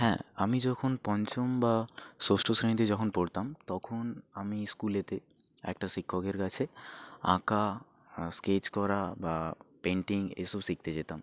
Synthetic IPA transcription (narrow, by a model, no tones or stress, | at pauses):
ɦɛ̰̃amid͡ʑɔkʰonpɔnt͡ɕombasosʈʰosɾẽit̪̬ed͡ʑɔkʰonpoɽt̪amt̪ɔkʰonamiskulet̪e | ɛ̰k̚ʈaʃikʰːokeɾkat͡ɕʰeã̰ka | sket͡ɕkɔɾabapeɳʈiŋḛʃobsik̚t̪ed͡ʑet̪am